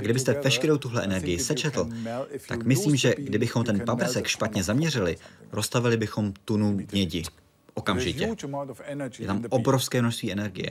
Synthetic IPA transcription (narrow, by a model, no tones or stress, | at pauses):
ʔaɡdɪbɪst̪ɛvɛʃkɛɾowt̪uɦlɛʔɛnɛɾɡɪjɪsɛt͡ʃɛt̪l̩t̪a̰kmɪsliːmʒɛɡdɪbɪxo̞mt̪ɛnpapr̩sɛkʃpat̪ɲɛzamɲɛrɪlɪɾo̞st̪avɪlɪbɪxo̞mt̪unuɦɲɛɟɪ | ʔo̞kamʒɪcɛ | jɛ̰t̪amʔo̞bɾofskɛːmnoʃst̪viːʔɛnɛɾɡɪ̰jɛ̰